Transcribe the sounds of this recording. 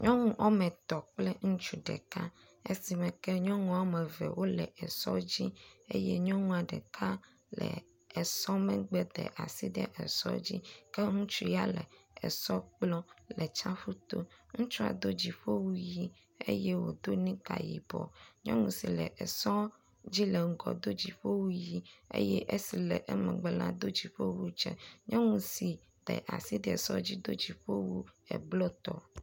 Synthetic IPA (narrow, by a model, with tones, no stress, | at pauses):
ɲɔ̃˦ŋũ˦ʔɔ˦mɛ̃˨t̪ɔ˨k͡plɛ˦ŋũ˦t͡ʃu˨ɖɛ̰˨ka˦ | e˦si˨mɛ̃˨kɛ˦ɲɔ̃˦ŋũ˨a˦mɛ̃˨vɛ̰˨wo˦lɛ˨ɛ˨sɔ˦d͡ʑi˦ḛ˦jɛ˦ɲɔ̃˦ŋũ˦a˨ɖɛ˨kʰa˦ | lɛ̰˨ | ɛ˨sɔ˦mɛ̃˦ɡ͡bɛ˦d̪ɛ̰˨ʔa̰˨si˦ɖ̪ɛ˦ʔɛ˨sɔ˦d͡ʑi˦kɛ˦ŋũ˦t͡ʃu˦ja˦lɛ˨ɛ˨sɔ˦k͡plɔ˦lɛ˨t͡ʃa˦ɸu˦t̪o˦ŋũ˦t͡ʃu˦a̰˨d̪o˦d͡ʑi˨ɸo˦wu˦ji˦ | ḛ˦je˦wo˨d̪o˦nĩ˦ka˨jḭ˨bɔ̰˨ɲɔ̰̃˦ŋũ˨si˨lɛ˨ʔɛ˨sɔ˦ | d͡ʑi˦lɛ˨ŋ̩˨ɡɔ˨d̪o˦d͡ʑi˨ɸo˦wu˦ji˦ḛ˦jɛ˦ʔe˦si˨lɛ˨ʔɛ˦mɛ̃˨ɡ͡bɛ˦lã̰˦d̪o˦d͡ʑi˨ɸo˦wu˦d͡ʒɛ̰˦ɲɔ̃˦ŋũ˨si˨ | ɖ̥ɛ̰˨ʔa˨si˦d̪ɛ˨ɛ˨sɔ˦d͡ʑi˦d̪o˦d͡ʑi˨ɸo˦wu˦ɛ̰˨blɔ˦t̪ɔ˨